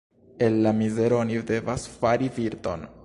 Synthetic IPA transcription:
e̞nlamize̞ɾoonide̞vasfaɾiviɾto̞̰n

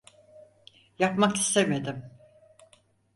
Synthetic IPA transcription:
japmaki̥st̪ʰeme̞d̪ɪm

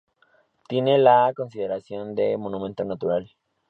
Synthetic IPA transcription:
t̪jene̞lako̞ns̬iðe̞ɾasjo̞nd̪e̞mo̞nũmẽnt̪o̞nat̪uɾal

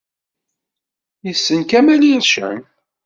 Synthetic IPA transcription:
jəsːənkæmæliɾʃə̰m

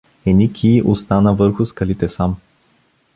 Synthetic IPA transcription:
ɛnʲikʲʰiʔost̪anəvɤɾxʊskɐlit̪ɛsam

